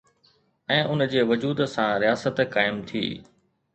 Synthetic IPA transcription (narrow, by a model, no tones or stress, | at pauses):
ɛ̃ːʔʊnd͡ʑeːʋʊd͡ʑuːd̪sãɾijaːsət̪kaːɪmt̪ʰḭː